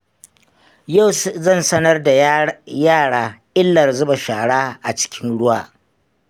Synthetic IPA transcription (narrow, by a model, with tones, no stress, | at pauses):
ja˦˨wszɐ˦˨nsɐ˦nɐ˦rda˨jaː˦˨ɽaː˦ʔɪ˦lːɐ˨rzʊ˦ba˨ʃaː˨ɽaː˦ʔa˨t͡ʃɪ̥˦kʲɪ˦nɽʊ˦waː˦˨